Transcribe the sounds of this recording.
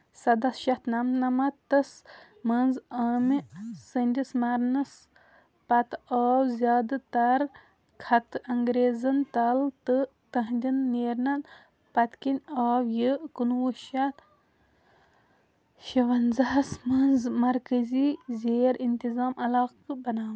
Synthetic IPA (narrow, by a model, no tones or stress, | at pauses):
sɐd̪ɐsʃɐt̪nɐmnɐmɐt̪ːɐs | mɐnzɐːmisɨnʲd̪ʲismɐɾnɐs | pɐt̪aːwzʲjaːd̪t̪ɐɾ | kʰɐt̪ɐŋɡɾeːzɐnt̪ɐlt̪ɨ | t̪ɐɦnd̪ʲinːeːɾnɐn | pɐt̪kinʲaːwjɨkunwuʃɐt̪ | ʃɐʋɐnzɐsmɐnzmɐɾkəziːzʲeːɾint̪izaːmʔɐlaːqɨbɐnaːm